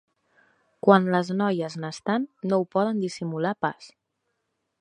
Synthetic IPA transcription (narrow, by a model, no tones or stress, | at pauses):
kwanləznɔjəznəst̪anːoupɔðənd̪isimulapas